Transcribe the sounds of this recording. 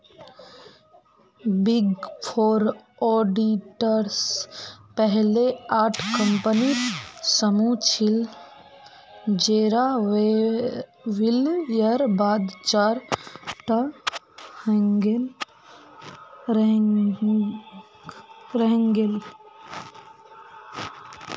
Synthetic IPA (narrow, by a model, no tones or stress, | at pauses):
biɡpʰoːɾɔːɖiʈəɾspəɦleaːʈʰkə̃mpənisəmut͡ʃʰil | d͡ʒeːɾa | ʋiljəɾbaːd̪t͡ʃaːɾʈa | hə̃ŋɡel | ɾ | ɾəɦŋɡel